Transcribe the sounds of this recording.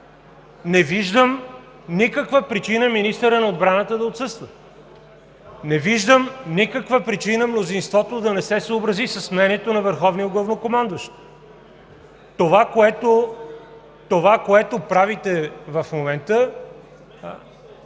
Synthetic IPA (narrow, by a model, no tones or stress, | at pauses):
nɛviʒd̪əm | nikəkvəpɾit͡ʃinəminist̪əɾənɐod̪bɾanət̪əd̪ɐot̪sɤst̪və | nɛviʒd̪əmnikəkvəpɾit͡ʃinəmnozinst̪vɔt̪od̪ɐnɛsɛsəobɾəzisəsmɛniɛt̪onɐvəɾxɔvnioɡlˠəvnokomand̪əʃt̪ | t̪ovakoɛt̪o | t̪ovakoɛt̪opɾavit̪ɛvɐfmomɛnt̪ə